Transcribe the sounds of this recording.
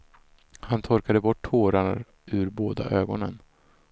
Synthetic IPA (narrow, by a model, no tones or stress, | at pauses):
hant̪ʰɔɾkad̪əbɔʈʰːoːɾa | ʉɾboːd̪a̰ʔøːɡɔnə̰n